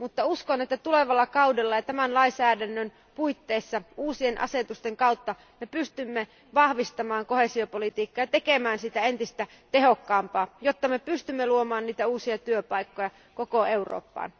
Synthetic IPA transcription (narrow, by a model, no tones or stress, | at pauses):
mut̪ːɑuskonet̪ːæt̪ule̞ʋɑlːɑkɑudelːɑjɑt̪æmænlɑisæːdænːøn | puit̪ːeːsːɑuːsienʔɑ̰se̞t̪ust̪eŋkɑut̪ːɑ | me̞pyst̪ymːe | ʋɑhʋist̪ɑmɑːŋko̞hesio̞polit̪iːkːɑjɑt̪ekemæːnsit̪æent̪ist̪æ | t̪eɦokːɑːmpɑːjot̪ːɑmepyst̪ymːeluomɑːnniːt̪æuːsiɑt̪yøpɑikːojɑ | kokoe̞uwro̰ːpːɑ̰ːn